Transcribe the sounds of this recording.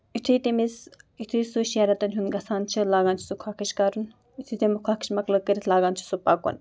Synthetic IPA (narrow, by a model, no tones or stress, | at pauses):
it̪ʰit̪emisit̪ʰujsuʃaːɾɐt̪ɐnʲɦunɡɐsaːnt͡ʃʰilaːɡaːnt͡ʃʰi̥sukʰaːkʰiʃkaɾun | it̪ʰit̪emikʰaːkʰi̥ʃmɐklɐkəɾʲit̪ʰlaːɡaːnt͡ʃʰi̥supaːkːo̰n